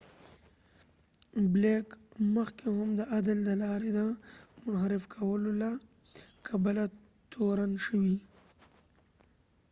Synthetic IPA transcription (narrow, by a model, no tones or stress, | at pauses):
blekməxkehamd̪əʔad̪əld̪əlɑɾed̪əmʊnhaɾɪfkʰawəlola | kʰabala | t̪ʰoɾanʃəwi